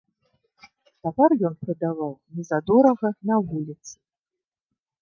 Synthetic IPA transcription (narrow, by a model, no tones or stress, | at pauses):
t̪apʲɛrjɔnpɾɨd̪avawnʲɛzad̪ɔɾɐɣɐnɐvulʲit̪sɨ̥